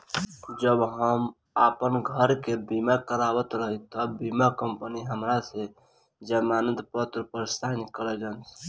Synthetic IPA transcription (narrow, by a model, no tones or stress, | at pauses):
d͡ʒəbɦəm | apənɡʱəɾkebimakəɾawət̪ɾəɦit̪əbimakəmpəniɦəmɾase | d͡ʒɛmanənd̪pət̪ɾəpəɾst̪ʰankəɾəd͡ʒəns